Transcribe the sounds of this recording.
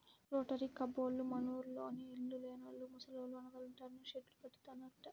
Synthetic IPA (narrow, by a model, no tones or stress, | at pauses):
ɾoːʈɐɾikɐboːlːumɐnuːɾloːniːlːuleːnɐlːumusɐloːluɐnɐɡɐluɳʈaːɾnɐʃeʈlupɐʈːi̥t̪aːnɐʈːɐ